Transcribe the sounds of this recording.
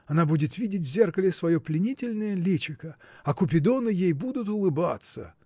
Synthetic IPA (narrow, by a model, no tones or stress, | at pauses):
ɐnabudʲɪt̪vʲidʲɪtʲvʲzʲe̞rkəlʲɪsvɐjoplʲɪnʲitʲɪlʲnəjəlʲet͡ɕɪkə | ɐkʊpʲɪd̪onɨjejbud̪ʊt̪̬ʊlˠɨbat̪sə̰